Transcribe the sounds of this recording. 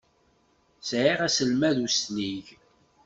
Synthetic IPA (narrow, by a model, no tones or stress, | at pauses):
sʕiʁæsəlmæðusniʝ